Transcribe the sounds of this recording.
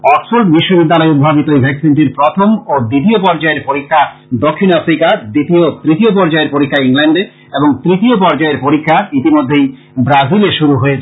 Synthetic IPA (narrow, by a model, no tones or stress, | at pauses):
ɔksfoɾɖbiʃːobid̪ːalɔeub̪ʱabit̪oejbʱɛksinʈiɾpɾɔt̪ʰomod̪it̪̬iopɔɾd͡ʑaeɾpoɾikʰːa | d̪okʰːinafɾikad̪it̪iot̪ɾit̪iopɔɾd͡ʑaeɾpoɾikʰːaiŋlɛɳɖe | eboŋt̪ɾit̪iopɔɾd͡ʑaeɾpoɾikʰːait̪imod̪ʱːej | bɾazileʃuɾuɦoet͡ɕʰ